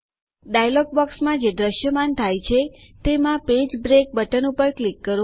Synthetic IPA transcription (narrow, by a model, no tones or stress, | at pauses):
ɖajloɡ̚bɔksmãd͡ʒed̪ɾəʃjəmant̪ʰajt͡ʃʰet̪emãped͡ʒbɾek̚bəʈənupəɾklikːəɾ